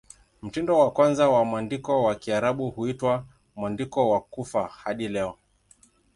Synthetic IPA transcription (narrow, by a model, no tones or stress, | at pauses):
m̩tindɔwakwanzawamandikɔwakiaɾaɓuhuitwa | mwandikɔwakufahaɗilɛɔ